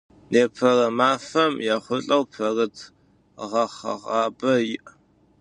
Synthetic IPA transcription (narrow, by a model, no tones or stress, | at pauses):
nʔeːpʰɐrɐmaːfɐmjaːχʷʊɬʼɐwpʰɐrɨtʰ | ʁɐχɐ̰ʁɑːbɐjɪʔ